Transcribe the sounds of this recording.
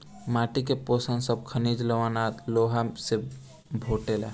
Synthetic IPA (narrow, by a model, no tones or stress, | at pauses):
maʈikeposənsəb̚kʰənid͡ʒ̪ləʋanat̪loɦase | bʱoʈela